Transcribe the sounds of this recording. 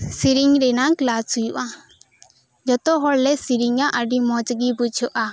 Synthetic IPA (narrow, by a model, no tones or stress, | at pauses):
siɾiŋɾɛnaklasujuʔa | d͡ʒɔt̪ɔɦɔɽlɛsiɾiŋaʔəɖimɔd͡ʒɡibut͡ʃʰɔʔa